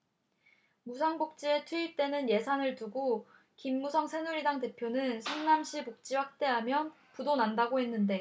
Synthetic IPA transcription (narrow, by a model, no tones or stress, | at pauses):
musʰaŋbok̚t͡ɕ͈ie̞tʰwiit͈e̞nɯnje̞sʰanɯɭtuɡo | kimːusʰʌŋsʰe̞nuɾidaŋte̞pʰjonɯnsʰɯŋnamɕʰibok̚t͡ɕ͈iwak̚t͈e̞ɦamjʌn | pudonandaɡoɦhe̞nːɯnde̞